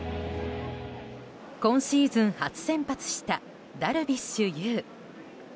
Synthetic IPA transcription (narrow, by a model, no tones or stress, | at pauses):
kõ̞ɰ̃ɕiːzɨ̃ɰ̃hat͡sɨ̥sẽ̞mpat͡sɨ̥ɕi̥t̪a | d̪aɾɯ̟bʲiɕɨjɯː